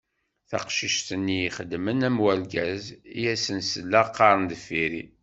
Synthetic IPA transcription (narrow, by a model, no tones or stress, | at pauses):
θɑ̰qʃiʃt̪ənːijiχəd̪mənæmwælɡæzijæsənsəlːæqːɑɾˤənd̪əfiɾḭ